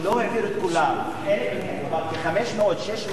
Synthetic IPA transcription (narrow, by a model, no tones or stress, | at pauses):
loheviɾet̪kulam | elemenebakeχameʃmeot̪ʃeʃm